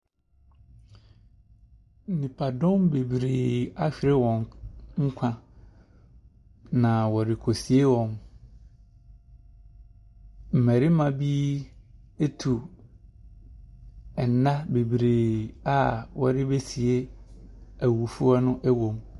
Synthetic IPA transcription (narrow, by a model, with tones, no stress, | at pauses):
n̩˦nĩ˨pʰa˨dɔ̃˦mbe˨bɾeː˨a˦ɕᶣi˨ɾe˦wɔ̃˨ŋŋ̩˦kʷʰã˦ | nã˨wɔ˨ɾɪ˨kʰo˨si˨e˦wɔ̃˨m | m̩˨mɛ˨ɾɪ˦mã˨bi˦ | e˦tʰu˨ | ɛ˨n˨˦ã˦be˨bɾeː˨a˦˨wɔ̰˨dɪ˦be˦si˨e˦ | æ˨wu˨fu˦a˦nʊ̃˦ʔæ˦wo˨m